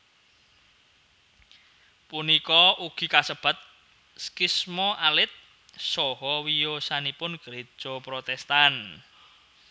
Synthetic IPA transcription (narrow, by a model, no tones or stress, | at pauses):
punikɔʔuɡ̥i̤kasəb̥a̤t̪̚ | skismɔʔalɪt̪̚ | sɔɦɔwijosanipʊnɡ̥ɾe̥ʒ̥ɔpɾot̪ɛst̪an